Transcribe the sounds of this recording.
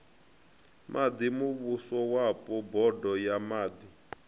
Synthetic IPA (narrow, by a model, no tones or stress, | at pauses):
mʔad̪imuβusɔwapɔbɔdɔjamaːd̪i